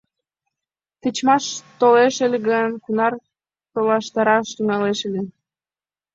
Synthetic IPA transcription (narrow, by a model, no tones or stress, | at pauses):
t̪ət͡ɕmɑʃt̪oleʃelɣənkunɑr | t̪olɑʃt̪ɑɾɑʃt̪yŋɑleʃelʲe